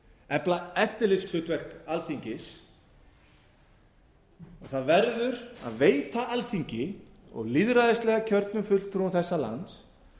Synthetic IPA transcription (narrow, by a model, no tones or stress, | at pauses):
ɛplaɛft̪ɪɾlɪskʰl̥ʏːt̪vɛr̥kalθiɲcɪs | ɔɣθaðvɛɾðʏɾa̰ðveːjt̪aʔalθiɲcɪ | ɔ̰ɣliðɾaðɪst̪lɛɣacʰœɾt̪̚nʏfʏl̥t̪ʰɾunθɛsːala̰nt̪s